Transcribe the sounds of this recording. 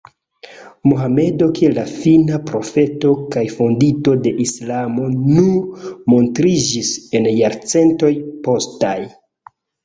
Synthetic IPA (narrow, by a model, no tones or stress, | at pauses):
muɦame̞do̞kielːafinapɾo̞fe̞to̞kajfondito̞de̞ʔislamo̞numo̞ntɾid͡ʒise̞njaɾt͡se̞nto̞jpo̞staj